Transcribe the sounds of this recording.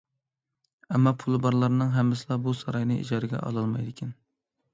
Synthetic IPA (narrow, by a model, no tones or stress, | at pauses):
ɛmːɑpʰulˠɨbɑɾlˠɑɾnɨŋɦɛmːɪsɨlˠɑbusɑɾɑjnɨʔḭd͡ʒɑɾɪɡʲɛ̰ʔɑ̰lˠɑlˠmɑjd̪ɪkʲʰɛn